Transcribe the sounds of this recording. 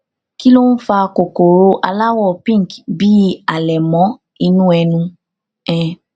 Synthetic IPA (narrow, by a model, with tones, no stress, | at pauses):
ki˦lo˦n̩˦fa˧ko˨ko˨ɾo˧ʔa˧la˦wɔ˦˨pĩ˦˨kbi˨˦a˨lɛ˨mɔ̃˨˦ | i˧nũ˦ɛ˧nũ˧ | ɛ˨